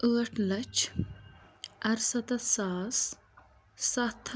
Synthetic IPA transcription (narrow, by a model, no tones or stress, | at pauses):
əːʈʰlɐt͡ʃ | ɐɾsɐt̪ɐsaːs | sɐt̪ʰ